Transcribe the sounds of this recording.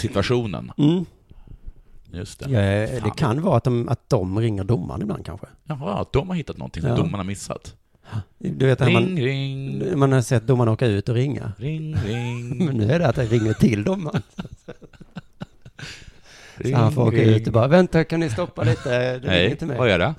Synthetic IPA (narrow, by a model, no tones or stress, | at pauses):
sɪt̪vaʂɧuːnə̰nm̩ː | jɵst̪ʰɛjd̪ɛkʰanːvɑːat̪̚d̪ɔma̰t̪̚d̪̥ɔmɾɪŋːəɖʊmːa̰ɾnɪbla̰nd̪kʰa̰nɧəjɦ̚d̪ɔmhaɾhɪt̪ːat̪nɔ̰nʰɪŋsd̪ʊmːaɳaɾmɪsːa̰t̪ | d̪ɵveːt̪aman | manhasɛt̪̚d̪ʊmːaɳoːkaʉ̟ːt̪ɔɾɪŋːa̰ | mɛnːʉ̟ːæɖɛat̪ɛɾɪŋːəʈʰɪld̪ʊmːan | fɔɾoːkaʉ̟ːt̪ɔbɑːɾavɛnt̪akannɪst̪ɔpːaliːt̪əd̪ɛɛɪət̪ʰɪlmɛ̰aɛɖɛ